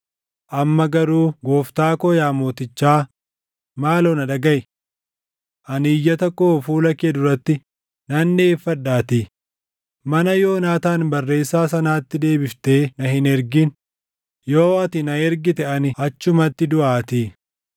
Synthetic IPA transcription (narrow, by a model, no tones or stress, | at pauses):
ʔɐmːɐɡɐɾuːɡo̞ːft̪aːkɔjaːmoːt̪ɪt͡ʃːaː | maːloːnɐᶑɐɡɐʔ | ʔɐniːjːɐt̪ɐkːoːfuːlɐkeːd̪ʊɾɐt̪ːɪ | nɐnːeːfːɐᶑːaːt̪ɪ | mɐnɐjo̞ːnaːt̪aːnbɐrːe̞ːsːaːsɐnaːt̪ːɪd̪e̞ːbɪft̪e̞ːnɐɦɪnɛɾɡɪn | jo̞ːɐt̪ɪnɐɛɾɡɪt̪ɛʔɐnɪɐt͡ʃːʊmɐt̪ːɪd̪ʊʔaːt̪ɪ